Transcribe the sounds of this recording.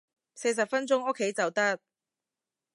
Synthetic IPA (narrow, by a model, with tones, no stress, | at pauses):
se˧js̬ɐ˨p̚fɐ˥nt͡sʊ˥ŋʊ˥kʰːe˨˥jt͡sɐ˨wt̪ɐ˥t̚